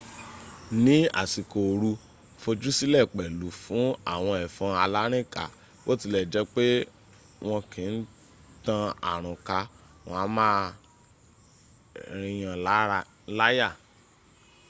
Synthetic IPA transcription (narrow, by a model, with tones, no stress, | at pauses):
nĩ˨˦a̰˨si˨ko˨ɾu˧˦ | fo˧d͡ʒu˦si˦lɛ˦˨k͡pɛ˨lu˨˦fũ˨˦a̰˦˨w̃ɔ̃˧ɛ˨fɔ̃˧a˧la˦ɾ̃ĩ˦˨ka̰˨ | wo˦ti˧lɛ˨d͡ʒɛ˦k͡pe˦ | w̃ɔ̃˧kĩ˨n̩˦ | tã˧a̰˨ɾ̃ɔ̃˨ka˧ | wɔ̃˧a˧˦mãː˦ | ɾ̃ĩ˧j̃ã˧˦ | la˦ja˦˨